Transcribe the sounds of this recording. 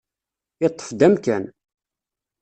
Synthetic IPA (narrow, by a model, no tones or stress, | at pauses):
it̪ˤːə̥fd̪æmkæn